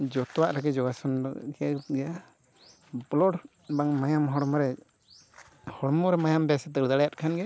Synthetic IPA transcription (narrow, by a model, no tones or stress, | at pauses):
d͡ʒɔt̪ɔwaʔɾaɡɛd͡ʒɔɡasɔnɡɛaɡɛja | blɔʈ | baŋmajamɦɔɽmɔɾɛ | hɔɽɔmɔɾɛmajambɛsɛt̪əɽd̪aɽajat̪̚kʰanɡɛa